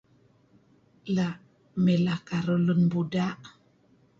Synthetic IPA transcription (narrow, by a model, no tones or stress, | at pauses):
laʔ | mɛlakaɾulunbudaʔ